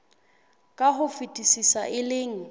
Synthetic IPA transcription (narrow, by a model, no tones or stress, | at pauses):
kʼaɦʊfitʼisisaʔɪleːŋ̩